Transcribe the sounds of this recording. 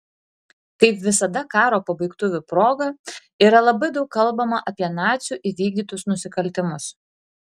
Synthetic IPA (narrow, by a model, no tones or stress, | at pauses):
kɐɪpʋʲɪsɐd̪ɐkɑːɾoːpɐbɐɪkt̪ʊʋʲʊpɾoːɡɐ | iːɾɐlˠɐbɐɪd̪ɒʊkkɐlˠbɐmɐʔɐpʲiɛnɑːt̪sʲuˑʔiʋʲiːɡ̚d̪ʲiːt̪ʊsnʊsʲɪkɐlʲt̪ʲɪmʊs